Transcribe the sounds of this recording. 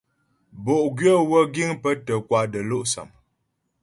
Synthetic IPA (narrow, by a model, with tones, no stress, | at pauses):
bo˨ʔɡɥə˦wə˦ɡi˦ŋpə˦tə˨kwa˨də˨lo˦ʔsa̰˨m